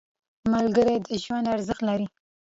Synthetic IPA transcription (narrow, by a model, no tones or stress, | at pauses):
malɡəɾed̪əʒwand̪aɾzəxt̪laɾi